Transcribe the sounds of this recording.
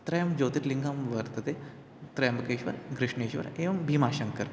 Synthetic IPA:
t̪ɾɐjɐmd͡ʒoːt̪iʈ̪liŋɡɐmʋɐɾt̪ɐt̪e | t̪ɾɐjɐmɐkeːʃʋɐ̰ɾɡɾɪʂɳeːʃʋɐ̰ɾeːʋɐmbʱiːmaːʃɐŋkɐɾ

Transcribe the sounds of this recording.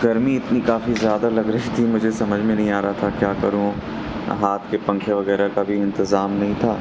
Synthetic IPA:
ɡɐɾmiɪt̪nikaːfizjaːd̪alɐɡɾɐɦit̪ʰimʊd͡ʒʱesɐməd͡ʒʱmẽnɐɦĩaːɾaɦat̪ʰakjaːkɐɾũ | ɦaːt̪ʰkepɐ̃ŋkʰeʋɐɣɛːɾakabʱiɪ̃nt̪ɪzaːmnɐɦĩt̪ʰaː

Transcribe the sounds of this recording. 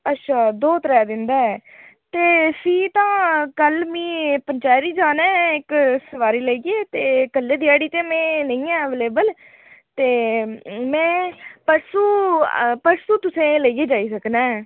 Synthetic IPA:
ətːʃʰaːd̪oːt̪ɾɛːd̪ɪnd̪aːɛːt̪eːsiːt̪ãːkəlmĩːpəɲt͡ʃaːjɾiːd͡ʒaːnɛːɪksəʋaːɾiːləiɡeːt̪eːkəlːeːd̪ijaːɽiːt̪eːmẽːnə̃ĩːɛːʋeːleːbəl | t̪eː | mɛ̃ːpəɾsuːpəɾsuːt̪ʊsẽːləiɡeːd͡ʒaːiːsəknɛː

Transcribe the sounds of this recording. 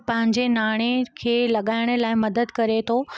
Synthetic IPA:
pɐ̃ɦɪ̃ɲd͡ʑenaːɽ̃ekʰeːlɐɠaːɪɽ̃ə̆laːɪmɐd̪əd̪kɐɾet̪ʰo

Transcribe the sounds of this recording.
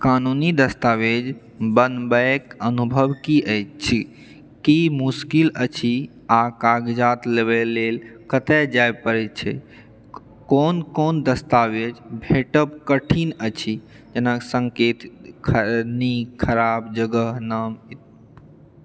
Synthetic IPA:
kanunid̪əst̪awed͡ʒ | bənbəkənubʱəwkiʔəjt͡ʃt͡ʃʰi | kimuskilət͡ʃʰi | akaɡd͡ʒat̪leβɛlelkət̪ɛd͡ʒajpəɾɛt͡ʃʰɛ̰ | konkond̪əst̪aʋed͡ʒbʱeʈəpkəʈʰinət͡ʃʰi | d͡ʒenaksə̃ŋket̪kʰənikʰəɾabd͡ʒəɡəɦnam

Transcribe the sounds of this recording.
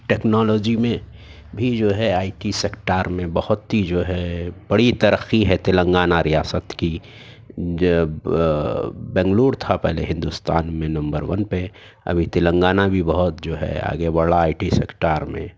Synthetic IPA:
ʈɛːknɔːlɔːd͡ʒimẽ | bʱid͡ʒoːɦɛaːiʈisekʈaːɾmẽbɐhʊt̪id͡ʒoːɦɛb̥əɽit̪ɐɾəxiɦɛt̪ɪlə̃ŋɡaːnaɾijaːsət̪ki | bɛ̃ːŋɡluːɽt̪ʰapɛɦlḛɦɪ̃nd̪ust̪aːnmẽnɐ̃mbəɾʋɐnpe | ɐ̰bʱit̪ɪlə̃ŋɡaːnabʱibəɦʊt̪̚d͡ʒoːɦɛ̰a̰ːɡebaɭaaːiʈisḛːkʈaːɾmḛ̃

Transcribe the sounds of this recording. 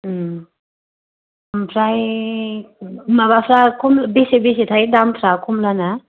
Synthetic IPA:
ampʰɾaj | mabapʰɾakomlbesebes̬et̪ʰajdamt̪ʰɾakomlana

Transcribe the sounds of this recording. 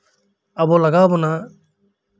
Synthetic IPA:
ɐbɔlɐɡaːbɔna

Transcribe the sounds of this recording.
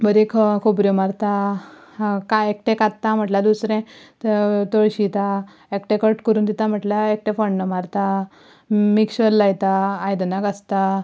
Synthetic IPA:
bəɾekʰkʰobɾjomaɾt̪a | kaek̚ʈẽkat̪t̪ːãm̤əʈlad̪usɾɛ̃t̪t̪oɭɕit̪a | ekʈẽkəɾʈkəɾuːnd̪it̪am̤əʈlaek̚ʈẽfəɳnəmaɾt̪a | mikɕʋəlːajt̪aːjd̪ənakast̪a

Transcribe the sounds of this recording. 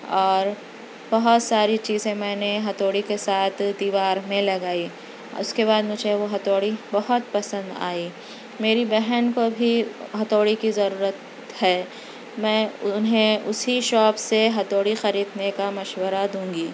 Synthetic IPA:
ɔːɾ | bɐɦʊt̪saːɾit͡ʃiːzẽmɛ̃ːneɦɐt̪oːɽikesaːt̪ʰd̪iːʋaːɾmẽlɐɡaːi | ʊskeβaːd̪mʊd͡ʒʱeʋoɦɐt̪oːɽibɐɦʊt̪̚pɐsə̃nd̪a̰ːi | meːɾibɛɦənkobʱiɦɐt̪oːɽikizɐɾuːɾət̪ | hɛː | mɛ̃ːʊnɦẽʊsiʃɔːpseɦɐt̪oːɽixɐɾiːd̪nekamɐʃwəɾad̪ũːŋɡiː

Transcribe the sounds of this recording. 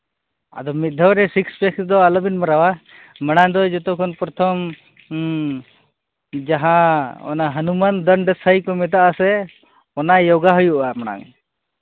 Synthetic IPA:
a̰d̪ɔmit̪̚d̪ʱɔwɾɛsikspɛksd̪ɔalɔbinmaɾawa | məɽ̃aŋd̪ɔd͡ʒɔt̪ɔkʰɔnpɾɔt̪ʰɔm | d͡ʒaɦãɔ̰naɦənumand̪ənɖɛsʰajkɔmɛt̪aʔasɛ | ɔnajɔɡaɦɔjuʔamaɽ̃a̰ŋ

